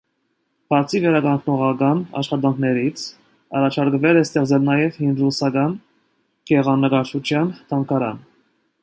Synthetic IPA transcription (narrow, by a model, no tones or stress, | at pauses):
b̥ɑɾt͡sʰivɛɾɑkɑŋkʰnɔʁɑkɑnɑ̰ʃχɑt̪ɑŋkʰnɛɾit͡sʰ | ɑrɑt͡ʃʰɑɾkvɛlɛst̪ɛʁd͡zɛlnɑjɛvhind̪ɾusɑkɑn | kɛʁɑnːəkɑɾt͡ʃʰut͡ʃʰjɑnt̪ʰɑŋkʰɑɾɑ̰n